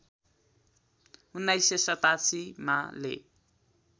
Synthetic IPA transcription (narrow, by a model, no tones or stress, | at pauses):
unːajsesʌt̪asimalḛ